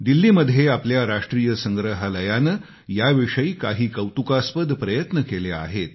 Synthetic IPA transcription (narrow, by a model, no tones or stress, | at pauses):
d̪ilːiːməd̪ʱjeapljaɾaʂʈɾiːjəsəŋɡɾəɦaləjanə | jaʋiʂəiːka̰ɦiːkəwt̪ukaspəd̪ʱpɾəjət̪nəkelea̰ɦet̪̚